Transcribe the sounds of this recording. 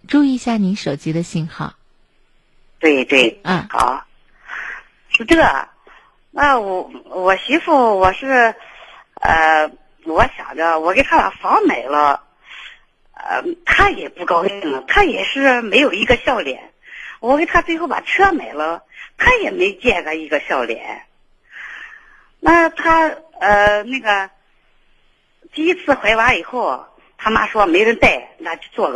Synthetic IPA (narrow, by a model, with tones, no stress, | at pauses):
ʈ͡ʂu˥˧i˥˧ɕja˥˩ni˧˥nʂo˨˩ʊt͡ɕi˧˥d̪ə˧ɕi˥˩nxɑ˥˩ʊ | t̪we˥˧ɪt̪we˥˩ɪ˥˩xɑ̰˨˩˦ʊ | ʂ̩˥t̪ɤ˥˩ | a˧wɔ˧˥wɔ˨˩ɕi˧˥fu˥˩wɔ˨˩ʂɻ̩˥˧ | ə˧ | wɔ˧˥ɕjɑ̰˨˩ŋd̪ə˦wɔ˨˧˩ke˧˩ɪt̪ʰa˥pa̰˨˩fɑ˧˥ŋme˨˩ɪlə˦ | ə̰˩t̪ʰa˥jɛ˨˩pu˥˩kɑ˥ʊɕi˥˩ŋlə˩t̪ʰa˥jɛ̰˨˩ʂɻ̩˥˩me˧˥ɪjo˨˩ʊi˧˥ɡə˧ɕjɑ˥˩ʊljɛ̰˨˧˩n | wɔ˧˥ke˥˩ɪt̪ʰa˥t͡swe˥˧ɪxo˥˩ʊpa̰˨˩ʈ͡ʂʰɤ˥me˨˩ɪlə˦t̪ʰa˥jɛ˨˩me˧˥ɪ˧t͡ɕjɛ˥˩ɡə˧i˧˥ɡə˧ɕjɑ˥˩ʊljɛ̰˨˧˩n | na˥˧˩t̪ʰa˥ə˧˩na˥˩ɡə˩ | t̪i˥˧i˥t͡sʰɹ̩˥˩xwe˧˥ɪwa˧˥i˨˩xo˥˩ʊ | t̪ʰa˥ma̰˥ʂwɔ˥me˧˥ɪjɻə˧˥nt̪a˥˩ɪ˧nʰa˥t͡ɕo˥˧t͡swɔ˥˩ɡ